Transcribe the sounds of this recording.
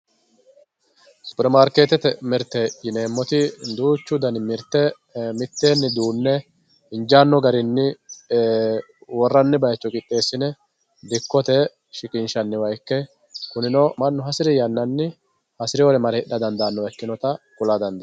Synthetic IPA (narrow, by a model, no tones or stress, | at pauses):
sʊ̥pɪɾɛmaːɾkeːt̪ɛt̪ɛmɪɾt̪ːɛjɪneːmːɔt̪ɪd̪uːt͡ʃːʊd̪ɐnmɪɾt̪ːɛ | mɪt̪ːe̞ːnːɪd̪uːnːɛ | ɪnd͡ʒaːnːɔɡɐɾɪnːɪ | wɔrːɐnːɪbɐjt͡ʃːɔkʼɪt̪ʼːe̞ːsːɪnɛ | d̪ɪkːɔt̪ɛ | ʃɪkʼɪnʃɐnːɪwɐjkːɛ | kʊnɪnɔmɐnːʊɦɐsɪɾɪjɐnːɐnːɪ | hɐsɪɾɪɔɾɛmɐɾɪɗːɐd̪ɐnd̪anːɔɛkːɪnɔt̪ɐkʊlad̪ɐnd̪ɛ